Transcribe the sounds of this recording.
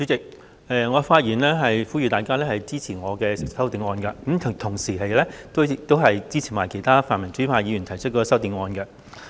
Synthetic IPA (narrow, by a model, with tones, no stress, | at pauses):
t͡sy˨˥t͡sɪ˨k̚ | ɛː˨ŋɔː˨˧faː˧t̚jiː˨˩nlɛː˥ɦɐ˨jfuː˥jyː˧t̪aː˨jkaː˥lɛː˥hɐ˨jt͡siː˥t͡sʰiː˨˩ŋɔː˨˧kɛː˧sɪ˨k̚sɐ˥wt̪i˨˧˥ŋɔː˧nkɐ˧kɐ˨˥mtt̪ʰʊ˨˩ŋsiː˨˩ɦɐ˨jlɛː˥t̪o˥t̪o˥wɦɐ˨jt͡siː˥t͡sʰiː˨˩maː˨jkʰjt̪ʰaː˥faː˨nmɐ˨˩nt͡syː˨˥pʰaː˧jiː˨˧jyː˨˩nt̪ʰɐ˨˩sʰɵ˥t̚kɔː˧sɐ˥wt̪i˨˧ŋɔː˧nkɛ˧